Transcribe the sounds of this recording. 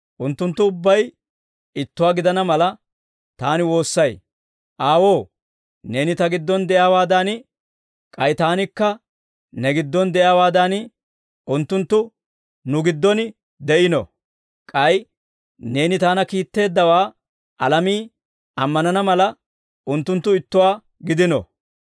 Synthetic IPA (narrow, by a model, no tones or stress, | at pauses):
ʔʊnt̪ːʊnt̪ːʊːbːɐj | ɪt̪ːʊwaːɡɪd̪ɐnɐmɐlɐ | t̪aːnɪwo̞ːsːɐj | ʔaːwo̞ː | ne̞ːnɪt̪ɐɡɪd̪ːɔnd̪ɛjaːwaːd̪an | kʼɐjt̪aːnɪkːɐ | nɛɡɪd̪ːɔnd̪ɛʔjaːwaːd̪ɐn | ʊnt̪ːʊnt̪ːʊ | nʊɡɪd̪ːɔn | d̪ɛʔɪnɔ̰ | kʼɐj | ne̞ːnɪt̪aːnɐkiːt̪ːe̞ːd̪ːɐwaː | ɐlɐmiː | ɐmːɐnɐnɐmɐlɐ | ʔʊnt̪ːʊnt̪ːʊɪt̪ːʊwaː | ɡɪd̪ɪnɔ̰